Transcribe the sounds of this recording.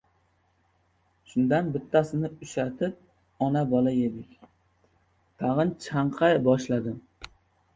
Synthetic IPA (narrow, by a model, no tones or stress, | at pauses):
ʃʊnd̪anbɪt̪ʰːasɪnɪʊʃat̪ʰɪp̚ | ɒnabɒlaje̞d̪ɪkʲ | t̪ʰɑʁɨnt͡ʃʰaɴqʰɑjbɒʃlad̪ɪm